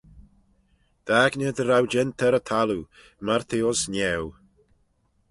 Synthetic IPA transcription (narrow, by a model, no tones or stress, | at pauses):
d̪̥aɡnəd̪əɾawd͡ʒɛnt̪ʰɛɾət̪ʰalu | maɾt̪ʰeɔsnɛw